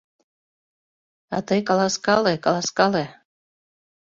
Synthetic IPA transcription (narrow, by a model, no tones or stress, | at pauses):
ɑ̰t̪ɤjkɑlɑskɑlekɑlˠɑskɑle